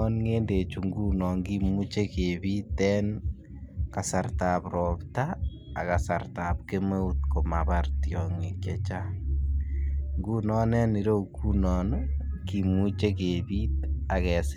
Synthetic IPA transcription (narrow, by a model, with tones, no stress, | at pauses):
ɔ˦nŋeːnde˨t͡ʃu˨ŋɡu˦nɔ˨ŋɡimu˦t͡ʃe˦ke˨βi˦tɛː˦n | ka˨sartaːpɾɔːpta̰ː˨ | kasarta˨p̚ke˦me˦utko˨maβartjɔ˨ŋe˨kjɛt͡ʃa˦ | ŋɡu˦nɔ˦nɛ˦ni˦ɾo˦uku˦nɔnkimu˦t͡ʃe˦kebi˦takɛ˨s